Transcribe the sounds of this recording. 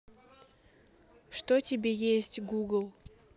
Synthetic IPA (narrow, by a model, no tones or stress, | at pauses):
ʂt̪otʲɪbʲejesʲtʲɡuɡlˠ